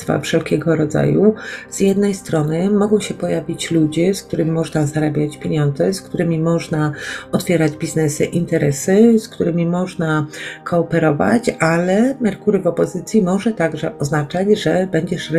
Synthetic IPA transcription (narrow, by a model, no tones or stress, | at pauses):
t̪fa̰fʂɛlkʲɛɡɔɾɔd̪za̰juz̥jɛd̪nɛjst̪ɾɔnɘmɔɡɔ̃w̃ɕɛpɔjavʲit͡ɕlud͡ʑɛsk̚t̪uɾɘmʲimɔʐnazaɾabʲjat͡ɕpʲjeɲɔnd̪zɛskt̪uɾɘmʲimɔʐnaɔt̪fʲjɛɾad͡ʑbʲiznɛsɘ̰ʔint̪ɛɾɛsɘskt̪uɾɘmʲimɔʐnakʰɔːpɛɾɔva̰t͡ɕalɛmɛɾkuɾɘvɔpɔzɘt̪sʲjimɔʐɛt̪aɡʐɛʔɔznat͡ʂad͡ʑʐɛbɛɲd͡ʑɛʂ